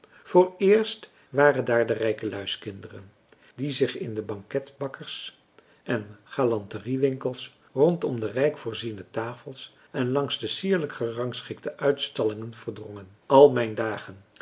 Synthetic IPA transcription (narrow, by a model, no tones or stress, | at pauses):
v̥oːɹɪːɹst | ʋaːrəndaːɹdərɛjkəlœɥskɪndərə̰n | dizɪχɪ̰ndəbɑŋkɛtbɑkəɹs | ʔɛnχaːlɑntəriʋɪŋkəlˠs | rɔntɔmdərɛjkfʊːɹzinətaːfəlˠs | ɛnlɑŋzdəsiːɹləkχərɑŋsχɪk̚təʔœɥtstɑlɪŋənv̥əɹdrɔŋənɑlˠmɛjndaːχən